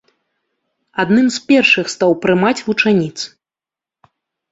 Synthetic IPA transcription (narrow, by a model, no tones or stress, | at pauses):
ad̪nɨmspʲɛrʂɨxst̪awpɾɨmat͡sʲvut͡ʂanʲit̪s